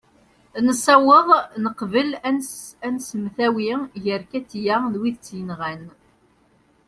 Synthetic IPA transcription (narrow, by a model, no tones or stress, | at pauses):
nəsːæwəðˤnəqvəlænsænsəmθæwiʝəɾkæt͡sːjæðwiðt͡sːjənʁæn